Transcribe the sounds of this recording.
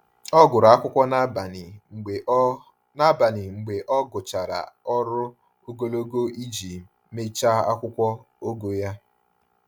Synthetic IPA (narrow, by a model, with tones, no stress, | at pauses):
ɔ˦ɡʊ˨ɾʊ˨a˦kʷʊ˦kʷɔ˦n˦bn˨ | na˦ba˨nɪ˨ŋ͡m̩˨ɡ͡be˨ʔɔ˦ɡʊ˨t͡ʃa˨ɾa̰˨ɔ˦ɾʊ˦ | o˦ɡo˦lo˦ɡo˦i˦d͡ʒi˨ | me˦t͡ʃa˦a̰˦kʷʊ˦kʷɔ˦ | o˦ɡo˨ja˦